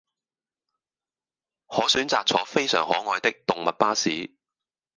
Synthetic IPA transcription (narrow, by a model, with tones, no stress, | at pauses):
hɔː˨˥syː˨˥nt͡saː˨k̚t͡sʰɔː˨˥fe˥jsœː˨˩ŋhɔː˨˥ŋɔː˨˧jt̪ɪ˥k̚t̪ʊ˨ŋmɐ˨t̚paː˥siː˨˥